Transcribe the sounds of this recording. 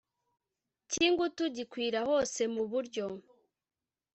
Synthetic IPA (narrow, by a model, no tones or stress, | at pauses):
ciːŋɡutuɟikwiːɾaho̞ːse̞muβuɾɟo̞